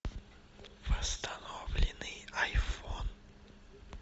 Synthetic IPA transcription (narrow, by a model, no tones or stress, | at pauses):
vəst̪ɐnovlʲɪnɨjajfon